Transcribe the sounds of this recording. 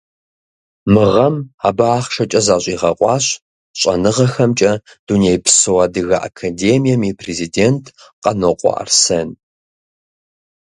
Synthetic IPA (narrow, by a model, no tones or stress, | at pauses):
mɨʁɐmaːbaaːχʃɐt͡ʃʼɐzaːɕʼiːʁɐqʷʼɑːɕ | ɕʼɐ̰nɨʁɐxɐmt͡ʃʼɐ | d̥unejpʰsɨwadɨɣɐʔa̰kʰadeːmijɐmipʰrezideːntʰ | qʼɐnoqʷʼɔ̰ʔɐ̰rsɐn